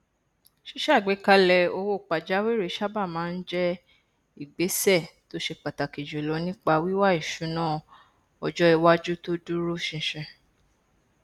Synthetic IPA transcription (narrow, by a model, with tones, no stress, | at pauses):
ʃi˦ʃa˦˨ɡ͡be˨˦ka˧lɛ˧o˧wo˦˨k͡pa˨d͡ʒa˨˦we˦ɾe˧˦ʃa˦ba˦˨mãː˨˦n̩˦d͡ʒɛ˦ | i˦˨ɡ͡be˨˦sɛ˦˨to˦ʃe˧k͡pa˨ta˨ke˨d͡ʒo˨lɔ˨˧˦nĩ˦k͡pa˧wi˦wa˦i˦˨ʃu˨˦nãː˦˨ | ɔ˨d͡ʒɔ˦ɛ˧wa˦d͡ʒu˦to˦du˦ɾo˦˨ʃĩ˧ʃɛ̃˧˨